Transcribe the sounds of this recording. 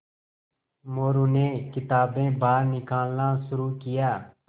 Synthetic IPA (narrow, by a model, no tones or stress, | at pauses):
moːɾuːneːkɪt̪aːbẽːbaːɾnɪkaːlnaːsʊɾuːkɪjaː